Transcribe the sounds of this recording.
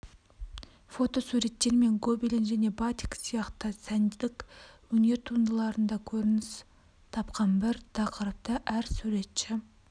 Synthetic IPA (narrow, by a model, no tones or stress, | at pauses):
fo̞t̪o̞suɾe̞t̪ːe̞ɾme̞ŋɡobilɪnʒæne̞bɑt̪iksijɑqt̪əsænd̪ɪd̪ɪkwɵne̞ɾt̪ʰund̪əlˠɑɾənd̪ɑkʲʰɵɾɪnɪs | t̪ʰɑpqɑnbɪɾt̪ʰɑqəɾəp̚t̪əʔæɾsuɾe̞t̪ʃɪ